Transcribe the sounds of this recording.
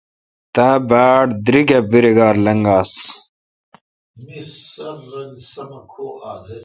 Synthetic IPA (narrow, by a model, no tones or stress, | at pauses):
t̪aːbaːɽd̪ɾiɡɐbiɾeɡaːɾlɐŋɡaːs | misːɐɾːɐŋɡsɐmɐkʰoːaːl